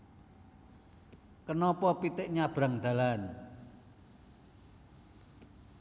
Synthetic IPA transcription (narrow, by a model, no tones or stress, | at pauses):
kənɔpɔpit̪ɪʔɲab̥ɾaŋd̪̥ä̤lan